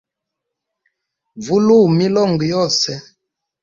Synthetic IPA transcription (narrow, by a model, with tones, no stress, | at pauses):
vu˦lu˦˨mi˦lɔ˦˨ŋɡi˨jɔ˦˨sɛ˦